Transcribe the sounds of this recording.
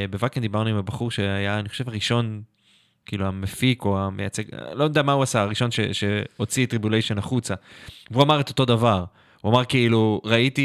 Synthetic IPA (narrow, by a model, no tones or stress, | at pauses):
be̞vakend̪ibaʁnuimabaχuʁʃe̞ajaːnixχo̞ʃevaʁiʃo̞n | kiʔiluamefiko̞amejat͡seɡ̰lond̪amauasaaʁiʃo̞nʃḛʃe̞o̞t͡sitʁibjulejʃo̞naχut͡saveuamaʁet̪o̞t̪o̞davaʁ | huamaʁkiiluʁaiti